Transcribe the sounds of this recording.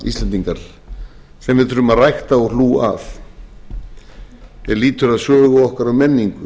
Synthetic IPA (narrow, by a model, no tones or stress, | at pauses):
ḭst̪ɛnt̪iŋkaɾ̥ | sɛmvɪðθʏɾʏmaðrajxt̪aɔɣluːa̰f | ɛɾliːt̪ʏɾaðsjœːɣʏɔhkaɾawmɛnːiŋkʏ